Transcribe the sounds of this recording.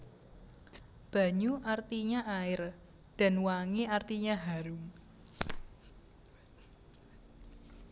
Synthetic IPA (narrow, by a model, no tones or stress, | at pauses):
b̥a̤ɲuʔart̪iɲaʔaɪr | d̥a̤nwaŋiart̪iɲaɦaɾʊŋ